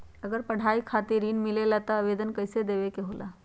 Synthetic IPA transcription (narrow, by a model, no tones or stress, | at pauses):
əɡəɾpəɽ̤aikʰat̪iɾinmilelat̪ɔːʋed̪ənkəjsed̪eʋekeɦola̰